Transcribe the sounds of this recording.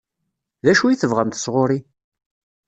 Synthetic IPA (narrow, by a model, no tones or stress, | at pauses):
ðæʃuiθəvʁəmt̪əsʁʊɾi